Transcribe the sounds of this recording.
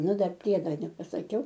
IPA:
ˈnʊ ˈdɐr ˈpʲrʲiɛdoː nʲɛpɐsɐˈkʲɛʊ

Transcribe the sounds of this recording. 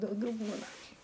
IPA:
dɐʊˈɡʲɛʊ ˈbuːnɐ

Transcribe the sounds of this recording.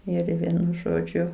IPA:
ˈɪr ˈʋʲiɛnʊ ˈʒoːd͡ʒʲʊ

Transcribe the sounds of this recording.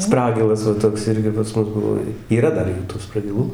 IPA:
ˈsprɑːɡʲɪlˠɐs ʋɐ ˈtoːks ˈɪrʲɡʲɪ pɐs ˈmʊs ˈbʊʋoː iːˈrɐ ˈdɐr ˈjuː tuː sprɐɡʲɪˈlˠuː

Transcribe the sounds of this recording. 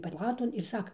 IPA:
pɐˈlˠɑːtoːn ɪr ˈsɑːkɐ

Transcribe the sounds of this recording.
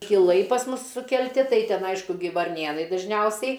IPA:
kʲɪˈlˠɐɪ pɐs ˈmʊs sʊkʲɛlʲˈtʲɪ ˈtɐɪ ˈtʲɛn ˈɐɪʃkʊ ˈɡʲɪ ʋɐrʲˈnʲeːnɐɪ dɐʒʲˈnʲɛʊsʲɛɪ

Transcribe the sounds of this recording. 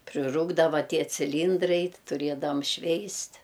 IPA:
pʲrʲɪˈruːɡdɐʋɐ ˈtʲiɛ t͡sʲɪˈlʲiːndrɐɪ tʲɪ tʊˈrʲiɛdɐʋɐm ˈʃʲʋʲɛɪsʲtʲ

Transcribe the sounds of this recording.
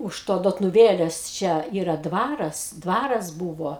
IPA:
ʊʃ ˈtoː doːtnʊˈʋʲeːlʲeːs ˈt͡ʃʲɛ ˈiːrɐ ˈdʋɑːrɐs ˈdʋɑːrɐs ˈbuːʋoː

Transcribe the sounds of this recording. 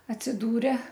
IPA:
ɐtʲsʲɪˈduːrʲɛ

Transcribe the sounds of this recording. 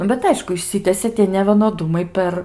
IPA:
ˈnʊ bʲɛt ˈɐɪʃkʊ ɪʃʲˈsʲɪtʲɛsʲeː tʲiɛ nʲɛʋʲiɛnoːˈdʊmɐɪ ˈpʲɛr

